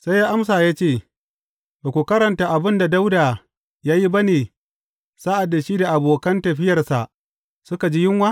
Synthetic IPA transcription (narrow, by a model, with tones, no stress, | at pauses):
sa˦jjaː˦ʔa˦ms̬aː˨jaː˦t͡ʃeː˦˨ | baː˨kʷu˨kɐ˦ɾɐ˨nta˨ʔa˨bɪ˦nda˨da˦wdaː˨ | jaː˦ji˦bɐ˦neː˨ | saː˦ʔa˨dːa˨ʃiː˦da˨ʔa˨boː˨kɐ˦ntɐ˨ɸɪ˦jɐ˨rsa˨ʔ | sʊ˦ka˨d͡ʒiː˦jɪ˦ŋwaː˦